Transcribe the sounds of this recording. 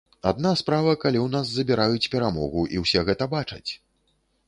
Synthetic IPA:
a̰d̪naspɾavɐkalʲiwnazːɐbʲiɾajut͡sʲpʲɛɾamɔ̰ɣuʔiwsʲɛɣɛt̪ɐbat͡ʂɐt͡sʲ

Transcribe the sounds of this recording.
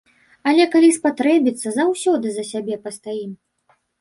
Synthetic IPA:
ɐlʲɛkalʲispat̪ɾɛbʲit̪sːɐzawsʲɔd̪ɨzɐsʲabʲɛpɐst̪ajim

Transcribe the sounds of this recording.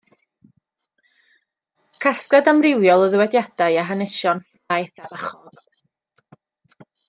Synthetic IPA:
kʰaskadamrɪwjɔlˠəðəwɛdjad̥ajaɦanɪʃjɔn | ajθabaχɔð

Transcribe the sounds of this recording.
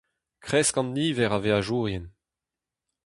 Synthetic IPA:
kχɛskɑ̃nːiːvɛʁaveaʒuːʁjɛn

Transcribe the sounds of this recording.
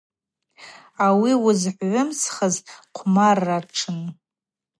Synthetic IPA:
awiwʊzħʷʕʷʊmsχəzqʷʰmarːaʈ͡ʂʰɨn

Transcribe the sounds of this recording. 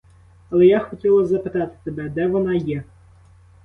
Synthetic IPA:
ɐlˠɛjaxɔtʲilˠɐzɐpɪt̪ɑt̪ɪ̥sebɛd̪ɛʋɔnɑjɛ

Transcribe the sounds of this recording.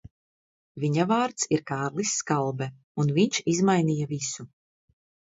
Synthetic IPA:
viɲavaːɾt̪siɾkaːɾlˠisːkalˠbɛ | unviɲʃizmajnijavisu

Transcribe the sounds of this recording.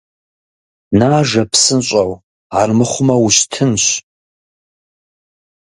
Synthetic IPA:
naːʒɐpʰsɨnɕʷʼɐw | armɨχʷʊmɐwuɕtʰɨnɕʷ

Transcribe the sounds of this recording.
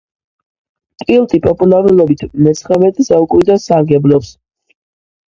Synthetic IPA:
kʼilˠt̪ʼipʼɔpʼulˠaɾulˠɔbit̪ʰmɛt̪sʰχɛvɛt̪ʰʼzaukʼuɾid̪asaɡɛblɔps

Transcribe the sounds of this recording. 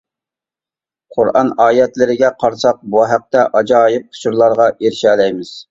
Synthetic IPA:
qʰʊɾɑ̰nɑːjɛt̪lɪɾɪɡʲɛqʰɑɾsɑq̚buɦæq̚t̪ɛʔɑd͡ʒɑːjip̚qʰʊ̥ʃʰuɾlˠɑɾʁɑʔeɾʃɛːlɛjmɪz̥

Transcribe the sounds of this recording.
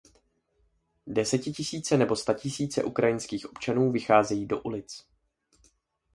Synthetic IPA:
dɛsɛcɪcɪsiːt͡sɛnɛbo̞st̪acɪsiːt͡sɛ̰ʔukɾajɪnskiːxʔo̞pt͡ʃanuːvɪxaːzɛjiːdo̞ʔulɪt͡s

